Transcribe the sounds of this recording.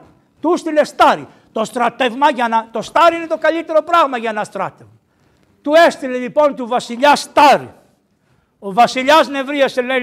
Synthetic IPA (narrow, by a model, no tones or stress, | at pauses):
t̪ust̪ilest̪aɾi | t̪ost̪ɾat̪ːevmaʝanɐt̪ost̪aɾiinet̪okaʎit̪eɾopɾaɣmɐʝɐnɐst̪ɾat̪ːevma | t̪uest̪ileʎipont̪uvasiʎast̪aɾḭ | ovɐsiʎaznevɾiɐsele